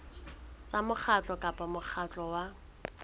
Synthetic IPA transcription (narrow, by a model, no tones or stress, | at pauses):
t͡sʼamʊk͡xʰat͡ɬʼɔkʼapʼamʊk͡xʰat͡ɬʼɔwa